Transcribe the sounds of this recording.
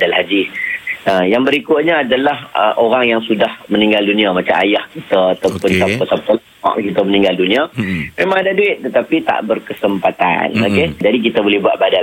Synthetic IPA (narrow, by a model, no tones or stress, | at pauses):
dalhadisəjaŋbəɾikʊt̪̚ɲaːdalahəʔoɾaŋjaŋsudahmənĩŋɡaldunĩamat͡ʃama̰jahkit̪əːt̪əpənsapəsapəl | a̰ʔkit̪əmənĩŋɡaldunĩamemãŋadaduɪt̪̚t̪ːət̪apit̪a̰ʔbərkəsəmpat̪a̰no̰ked͡ʒadik̬it̪əbolɛhbuat̪̚bada